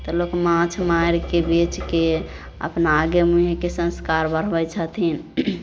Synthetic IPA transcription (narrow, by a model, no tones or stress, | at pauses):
t̪əlokmãt͡ʃʰmaiɾkebit͡ʃke | ə̰pnaːɡemuɦekesə̃nskaɾbəɾ̤bəjt͡ʃʰət̪ʰin